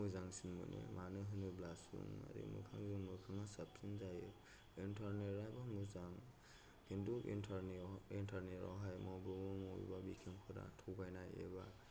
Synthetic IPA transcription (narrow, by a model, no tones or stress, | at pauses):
ɯzaŋsinmɯ̰nemʔanɯɦɯnɯblasṵŋa̰ɾḭmṵkʰaŋzɯŋmukʰaŋasap̚sinzaje | intʰaɾneɾajbamuzaŋ | hinduʔintʰnintʰaɾneɾa̰wɦajmɔwbɯmumɔjbabikʰemkʰɯɾa̰tʰɔwɡajnajḛba